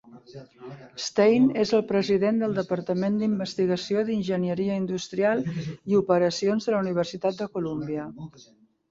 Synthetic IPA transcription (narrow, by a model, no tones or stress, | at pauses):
st̪ejnezəlˠpɾəziðend̪əlˠd̪əpəɾt̪əmend̪imbəst̪iɣəsioðinʒənjəɾiəind̪ust̪ɾialˠiupəɾəsionzðələuniβ̞ərsit̪at̪̚d̪əkulumbiə